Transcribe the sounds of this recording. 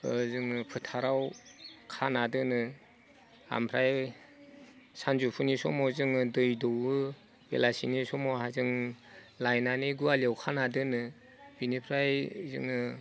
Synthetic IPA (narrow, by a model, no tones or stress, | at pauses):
zɯŋpʰɯtʰaɾawkʰanadɯnɯ | a̰mpʰɾaj | sanzupʰunisɔ̰mɔzɯŋdɯjdɔwɯ | bḛlasinisɔmɔɦazɯŋ | lajnaniɡualiawkʰanadɯnɯ | b̥inipʰɾajzɯ̰ŋɯ